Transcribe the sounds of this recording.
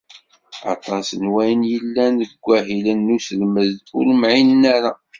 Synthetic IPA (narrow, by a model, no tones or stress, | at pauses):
ɑ̰t̪ˤɑsnwæjənjəlːænəɡʷːæɦilənːusəlməðt̪ʊləmʕinnæɾa